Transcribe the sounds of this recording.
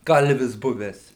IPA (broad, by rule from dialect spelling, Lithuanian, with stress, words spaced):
ˈkɐlʲʋʲɪs ˈbʊʋʲæːs